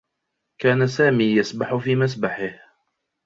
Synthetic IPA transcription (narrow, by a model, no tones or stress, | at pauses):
kaːnasaːmiːjasbaħʊfiːmas̬baħɪh